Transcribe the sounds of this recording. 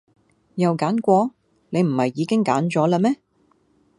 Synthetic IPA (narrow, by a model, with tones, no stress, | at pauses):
jɐ˨wkaː˨˥nkʷɔː˧ | ne˨˧jm̩˨˩hɐ˨jːiː˨˧kɪ˥ŋka̰ː˨˥nt͡ʃɔː˨˥laː˧mɛː˥